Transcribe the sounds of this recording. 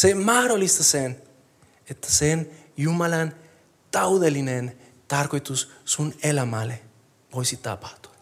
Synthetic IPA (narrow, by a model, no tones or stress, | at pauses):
semɑhɾolːist̪asen | et̪ʰːæ̥senjumɑlɑn | t̪ɑwðelːinen | t̪ɑrko̞jt̪ussunelamale | ʋo̞jsit̪ɑ̰pɑ̥ht̪u̥ɑ̥